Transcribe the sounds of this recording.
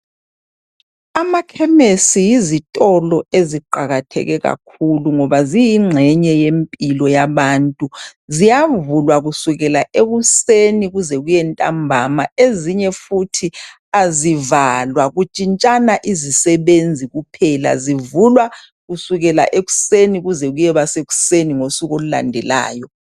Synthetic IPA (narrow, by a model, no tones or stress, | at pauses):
amakʰɛmesijizitʼɔlɔeziǃaɣatʰɛ̰ɣɛɣa̰kʰuluŋɔβazijiŋ͡ǁʱɛɲɛjempʼilɔjaβaːntʼuzijavulwaɣusuɣɛlaʔeɣuseniɣuzɛɣujɛntʼambʱamaeziɲɛfutʰi | azivalwaɣut͡ʃʼint͡ʃʼanaʔizisɛβend͡zʱiɣupʰɛla̰zivulwa | ɣusuɣɛla̰ʔeɣu̥seniɣuzɛɣujɛβaseɣu̥seniŋosuɣolula̰ndʱɛla̰ːjɔ